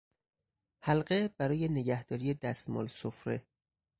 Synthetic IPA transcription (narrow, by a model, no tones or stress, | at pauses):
hælɢeb̥æɾɒːje̞neɟæhd̪̥ɒːɾijed̪æst̪mɒ̰ːlsofɾe